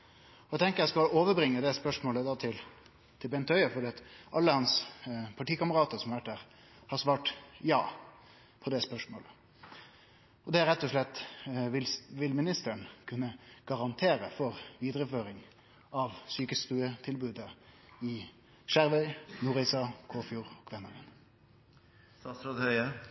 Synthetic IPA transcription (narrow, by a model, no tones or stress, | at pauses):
ɔæɪt̪ʰɛŋkəjæɪskɑloːʋəbɾɪŋːəd̪ɛspœʂmoːləd̪ɑt̪ʰɪl | t̪ʰɪlbɛnt̪ʰœʏəfɔɖɛːɑt̪ʔɑlːəhɑnspʰɑʈiːkɑməɾʁɑːt̪əɾsɔmɑʋæʈ̚d̪æːʁ | hɑɾsʋɑːʈjɑ̰ː | pʰɔd̪ɛspœʂmo̰ːlə | ɔd̪ɛæɾʁɛt̪ːɔʂɭɛt̪ːʋɪʋɪlmɪnɪst̪əɳkʰʉnːəɡ̥ɑʁɑnt̪ʰeːɾəfɔʁʋiːd̪ʁəføːɾɪŋ | ɑʋsyːkəst̪ʉːət̪ʰɪlbʉːd̪əɪ | ʃæɾʋœʏnuːʁɪsɑkʰoːfjuːɾɔkʰʋɛnəʋən | sɑsɾod̪hœʏə